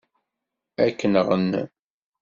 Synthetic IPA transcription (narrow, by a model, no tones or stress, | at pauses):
ækːənəʁənː